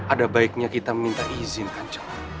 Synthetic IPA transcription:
ʔadabaɪk̚ɲakit̪aməmint̪aʔizɪnkaɲt͡ʃḁŋ

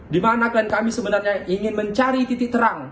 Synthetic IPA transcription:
dimanakankamisəbənarɲaʔiŋɪnməɲt͡ʃaɾit̪it̪ɪk̚t̪əɾaŋ

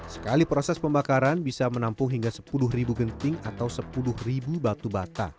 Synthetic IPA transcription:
sə̥kalipɾosɛspəmbakaɾanbisamənampʊŋɦiŋɡasə̥pulʊhribuɡənt̪ɪŋat̪awsəpulʊhribubat̪ubat̪a̰

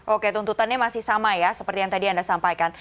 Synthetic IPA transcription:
ʔoket̪unt̪ut̪anɲamasɪhsamajasəpərt̪ijaŋt̪adiandasampajkan

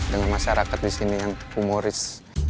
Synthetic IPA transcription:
dəŋanmaʃaɾakat̪̚disinijaŋumoɾɪs

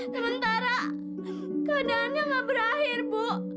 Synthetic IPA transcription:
səmənt̪aɾa | kadaːnjaŋabəɾaɦɪrpu

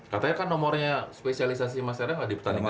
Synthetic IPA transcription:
kat̪aɲakanːɔmɔrɲaspesialis̬as̬imasaɾaadipt̪anima

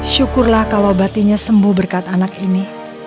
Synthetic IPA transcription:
ʃukʊrlahkalawbat̪iɲasəmbʊhbərkat̪̚anakini

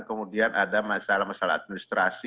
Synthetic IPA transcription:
kəmudianʔadamasalamasala̰a̰t̪̚minist̪ɾasi

